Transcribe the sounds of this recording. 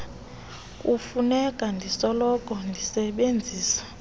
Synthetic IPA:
kʼufunɛkʼandʱisɔlɔkʼɔndʱisɛɓend͡zʱiːsḁ

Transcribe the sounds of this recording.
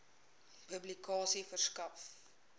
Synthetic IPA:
pəblikɑːsifərskɐf

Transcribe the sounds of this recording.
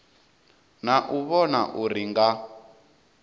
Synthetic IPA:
naʔuβɔnaʔuɾiŋɡa

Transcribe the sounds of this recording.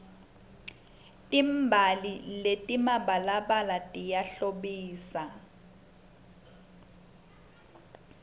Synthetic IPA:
tʼimbʱaliletʼimaɓalaɓalatʼijaɬoɓiːsa

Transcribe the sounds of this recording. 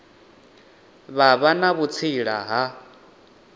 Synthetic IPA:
βaβanaβut͡sʰiɺa̰ɦa

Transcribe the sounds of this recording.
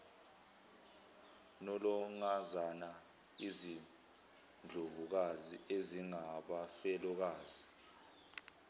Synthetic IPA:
nɔlɔŋazana | izi | nd͡ɮʱovuk̬aziʔeziŋaɓafɛlɔk̬aːzi

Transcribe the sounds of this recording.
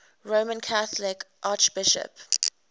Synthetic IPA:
ɹoːmə̃nkʰaθlɪkʔaˑt͡ʃb̥ɪʃə̰p

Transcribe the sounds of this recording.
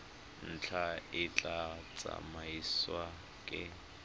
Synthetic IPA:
n̩t͡ɬʰaɪt͡ɬʼat͡sʼa̰maiswa | kʼɪ

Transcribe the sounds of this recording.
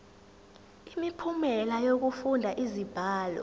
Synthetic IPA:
imipʰumɛlajok̬ufundʱaʔizib̥ʱaːlɔ̰

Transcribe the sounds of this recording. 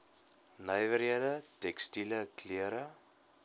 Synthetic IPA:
nəjvəɾiədətɛkstiləkliəɾə

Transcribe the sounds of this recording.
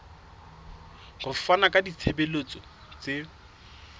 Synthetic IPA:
ɣʊfanakʼadit͡sʰebelot͡sɔ | t͡se

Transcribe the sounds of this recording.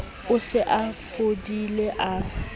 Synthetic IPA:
ʊsɪʔafodileʔa

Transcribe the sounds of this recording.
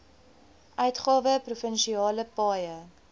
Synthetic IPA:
ʔœɥtχɑːvəprufənʃiɑːləpɑːjə

